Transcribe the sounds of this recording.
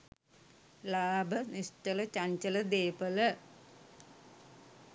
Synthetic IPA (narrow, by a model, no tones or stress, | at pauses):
laːbʱɐnisʈɐlɐt͡ɕɐɲt͡ʃɐlɐd̪eːpɐlɐ